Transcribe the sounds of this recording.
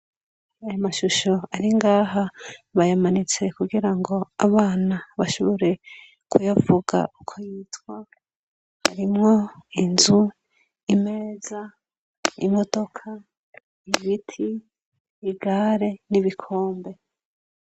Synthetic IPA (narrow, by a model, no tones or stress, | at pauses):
ajomaʃuʃo̞aɾiŋɡaːɦaβajamanit͡se̞kuɡiɾaŋɡo̞aβaːnaβaʃoβoɾe̞ | kujavuɡa̰ukʰojiːtwa | ha̰ɾimŋo̞inzu | ime̞ːza | imo̞d̥o̞kʰa | iβitʰiː | ɡaɾe̞niβikʰo̞ːmbe̞